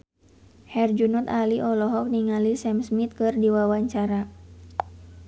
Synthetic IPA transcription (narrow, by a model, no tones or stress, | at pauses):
hɛrd͡ʒunɔt̪aliʔɔlɔɦɔk̚niŋalisɛmsmit̪̚kɨrdiwawaɲt͡ʃaɾa